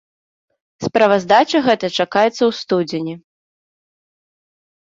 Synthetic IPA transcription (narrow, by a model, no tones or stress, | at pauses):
spɾɐvɐzd̪at͡ʂɐɣɛt̪ɐt͡ʂakajɛt̪sːɐwst̪ud͡zʲɪnʲi